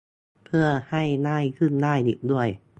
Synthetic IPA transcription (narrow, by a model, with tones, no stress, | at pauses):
pʰɯ˧˩ɐha˧˩jnaː˧˥˩jkʰɯ˧˩nːaː˧˥˩jnḭ˨˩k̚du˥˩əj